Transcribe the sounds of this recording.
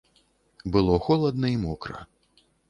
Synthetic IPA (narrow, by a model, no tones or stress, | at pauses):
bɨlˠɔxɔlˠɐd̪nɐimɔkɾɐ̰